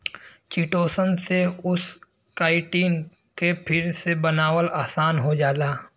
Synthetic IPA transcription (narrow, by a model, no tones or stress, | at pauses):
t͡ʃiʈoːsənseʊs | kaːɪʈiːn | kepʰɪɾsebənaːwəlaːsaːnɦod͡ʒaːlaː